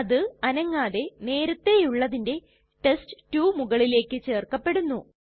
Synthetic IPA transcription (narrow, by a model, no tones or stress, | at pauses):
ɐðɨɐnɐŋːaːðe̞ne̞ːɾɐt̪ːe̞juɭːɐðinde̞ | ʈe̞stɨ̥tːuːmuɣɐɭile̞ːkːɨt͡ɕe̞ːrkɐpːe̞ɽunːu